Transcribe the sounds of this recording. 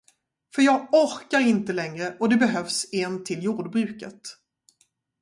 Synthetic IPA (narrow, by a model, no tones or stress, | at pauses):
fœɾjɑːɡɔɾkaɾɪnt̪əlɛŋɾəʔɔd̪ɛbɛɦœvsɛnt̪ʰɪljuːɖbɾʉ̟ːkət̪